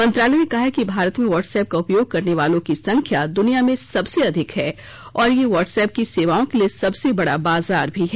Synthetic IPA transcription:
mɐ̃nt̪ɾaːlɛjnekɐɦakibʱaːɾət̪mẽʋɔːʈsɛːp̚kaʊpjoːɡ̚kɐɾneʋaːlõkisɐ̃ŋkʰjad̪ʊnijamẽsɐbseɐd̪ʱɪkɦɛː | ɔːɾjeʋɔːʈsɛːp̚kiseːʋaːõkelijesɐbsebɐɽabaːzaːɾbʱiɦɛː

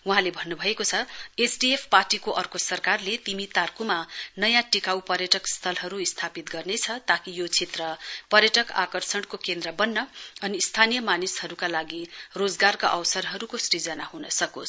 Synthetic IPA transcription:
wuɦãlebʱʌnːubʱʌekot͡sʰʌesɖiepʰparʈikoʔʌrkosʌrkarlet̪imit̪arkumanʌjãʈikawpʌrjʌʈʌkst̪ʰʌlɦʌɾuist̪ʰapit̪ɡʌrnet͡sʰʌt̪akijot͡sʰet̪rʌpʌrjʌʈʌka̰kʌrsʌɽkokend̪rʌbʌnːʌʌniːst̪ʰanijʌmanishʌɾukalaɡirod͡zɡarkaʔʌwsʌrɦʌɾukosɾid͡zʌnaɦunʌsʌkos

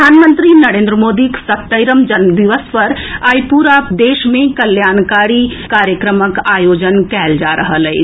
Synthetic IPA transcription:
aːnmə̃nt̪ɾinɐɾẽnd̪ɾəmoːd̪iksət̪ːəɪɾəmd͡ʒənd̪iʋəspəɾaːjpuɾapd̪eːʃmẽkəljaːnkaːɾikaːɾjəkɾəməkaːjoːd͡ʒənkɛːld͡ʒaːɾʔəɦəlɛɪ

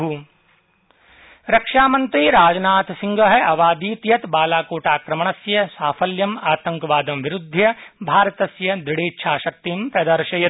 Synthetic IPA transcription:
u | ɾɐkʃaːmɐnt̪ɾiːɾaːd͡ʒnaːt̪sĩŋɡɐɦɐɐʋaːd̪iːt̪jɐt̪baːlaːkoːʈaːkɾɐmɐɳ̃ɐsjɐsaːfʰɐljɐmaːt̪ɐ̃ŋkɐʋaːd̪ɐmʋiɾud̪ʱːjɐbʱaːɾɐt̪ɐsjɐd̪iɽeːtːʃʰaːʃɐk̚t̪impɾɐd̪ɐɾʃɐjɐ

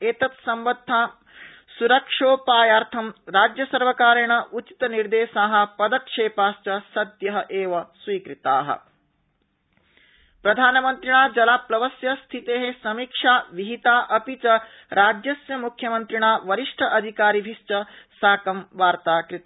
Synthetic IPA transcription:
eːt̪ɐt̪sɐmʋɐd̪ʱːaː | suɾɐkʂoːpaːjaːɾt̪ʰɐmɾaːd͡ʒjɐsɐɾʋɐkaːɾɐɳɐʔut͡ʃi̥t̪ɐniɾd̪eːʃaːɦɐ̆pɐd̪ɐkʂeːpaːst͡ʃɐsɐd̪jɐɦɐʔeːʋɐsʋiːkɾit̪aːɦɐ̰ | pɾɐd̪ʱaːnɐmɐnt̪ɾiɳaːd͡ʒɐlaːplɐʋɐsjɐst̪ʰit̪eːɦesɐmiːkʂaːʋiɦit̪aːʔɐpit͡ʃɐ | ɾaːd͡ʒjɐsjɐmukʰjɐmɐnt̪ɾiɳaːʋɐɾiʂʈʰɐʔɐd̪ʱikaːɾibʱist͡ʃɐsaːkɐmʋaːɾt̪aːkɾit̪ː

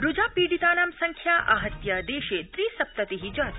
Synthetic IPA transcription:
ɾud͡ʒaːpiːɽit̪aːnaːmsɐŋkʰjaːʔa̰ːɦɐt̪jad̪eːʃeːt̪ɾiːsɐp̚t̪ɐt̪iɦid͡ʒɐːt̪

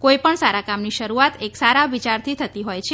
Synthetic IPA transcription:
kojipəɳsaɾakamniʃəɾuat̪eksaɾaʋit͡ʃaɾt̪ʰit̪ʰət̪iɦojt͡ʃʰe

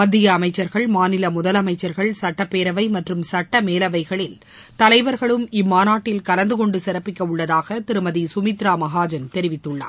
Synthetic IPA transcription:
mɐd̪ːɪjɐːmɐɪt͡ʃːɐɾɣɐɭmaːnɪlɐmʊðɐlɐmɐɪt͡ʃːɐɾɣɐɭsɐʈːɐpːeːɾɐʋɐɪmɐʈrɯmsɐʈːɐmeːlɐʋɐɪɣɐɭɪl | t̪ɐlɐɪʋɐɾɣɐɭɯmɪmːaːnaːʈːɪlkɐlɐnd̪ɯkɔɳɖɯsɪɾɐpːɪkːɐʊɭːɐðaːɣɐt̪ɪɾɯmɐðisʊmɪt̪ɾaːmɐɣaːd͡ʒɐnt̪ɛɾɪʋɪt̪ːɯɭːa̰ː

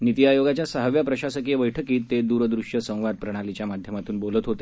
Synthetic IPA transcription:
nit̪iajoɡat͡ɕjasəɦəʋjapɾəɕasəkeʋəjʈʰəkiːt̪ːed̪uːɾd̪ɾuʂjəsə̃w̃ʋad̪̚pɾəɽ̃alit͡ɕjamad̪ʱjəmat̪uːnbolət̪ɦot̪e̥

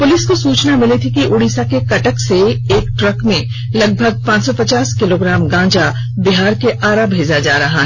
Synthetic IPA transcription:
pʊlɪskosuːt͡ʃnamɪlet̪ʰikiʔʊɽiːsakekɐʈəkseeːkʈɾɐkmẽ | lɐɡ̚bʱəɡ̚pãːt͡ʃsɔpɐt͡ʃaːskɪloːɡɾãːmɡãːd͡ʒa | bɪɦaːɾkeʔaːɾabʱeːd͡ʒad͡ʒaːɾɐɦaɦɛ

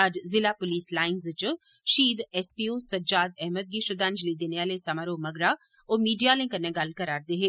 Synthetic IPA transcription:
aːd͡ʒzɪlapʊliːslaːɪnzt͡ʃ | ʃiːd̪ɛspiːoːsɐd͡ʒaːd̪ɛɦməd̪̚ɡiʃəd̪ãːnd͡ʒlid̪eːneʋaːlesɐmaɾoːmɐɡɾa | ɔːmiːɖijalẽŋkəɾnẽɡɐlkɐɾaːɾd̪eːɦeː

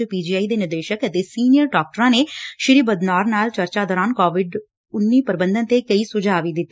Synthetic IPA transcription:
piːd͡ʒiːaːiːd̪eːnɪɾd̪eːʃəkət̪eːsiːnijəɾɖɔːk̚ʈəɾãːneːʃɪɾiːbəd̪naːɾnaːlt͡ʃəɾt͡ʃaːd̪ɔːɾaːnkɔːʋɪɖ | ʊnːiːpəɾɪbə̃nd̪ə̃nt̪eːkəiːsʊd͡ʒaːʋiːd̪ɪt̪ːi

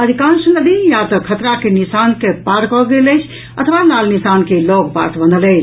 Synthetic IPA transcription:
əd̪ʱikãnsnəd̪ijat̪ɔkʰət̪ɾakenisankepaɾkɔɡeləɪt͡ʃʰ | ət̪ʰəʋalalnisankelɔɡpa̰t̪ʰbənd̪ələɪt͡ʃʰ

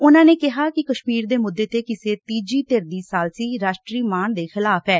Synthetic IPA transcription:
ʊnãːneːkɪɦaːkɪkəʃmiːɾd̪eːmʊd̪ːeːt̪eːkɪseːt̪iːd͡ʒiːt̪eɾd̪iːsaːlsiːɾaːʃʈɾiːmaːnd̪eːxɪlaːpʰɛː

